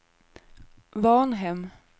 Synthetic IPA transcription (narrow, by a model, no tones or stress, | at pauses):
vɑːnɦɛm